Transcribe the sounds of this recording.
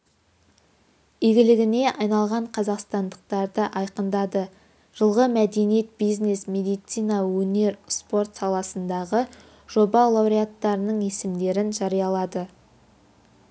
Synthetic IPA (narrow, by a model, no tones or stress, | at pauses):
iɡʲɪlɪɡʲɪne̞ʔɑjnɑlˠʁɑɴqʰɑzɑqst̪ɑnd̪əq̚t̪ɑɾd̪əʔɑjqənd̪ɑd̪ə | ʒ̥əlˠʁəmæd̪e̞nijet̪̚bijzne̞smʲe̞d̪ijt̪sijnɑwɵne̞ɾspo̞ɾt̪sɑlˠɑsənd̪ɑʁə | ʒ̥o̞bɑlˠawɾiat̪ːɑɾənəɴe̞sɪmd̪e̞ɾɪnʒɑɾijɑlˠɑd̪ə